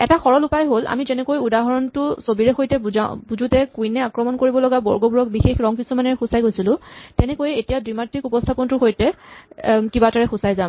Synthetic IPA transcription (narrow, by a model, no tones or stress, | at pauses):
ɛtaxɔɹɔlupajɦolʔa̰mizɛnɛkojudaɦɔɹɔntʊsobiɹɛxojtɛbabuzutɛkujnɛakɹɔmɔnkoɹibɔlɔɡabɔɹɡobuɹɔk̚bixexɹɔŋpisɔmanɛɹɛxʊsajɡojsilʊ̃tɛnɛkojɛetijadɹimatʰːikupɔstʰapɔntʊxojtɛ | kibataɹɛxʊsajzam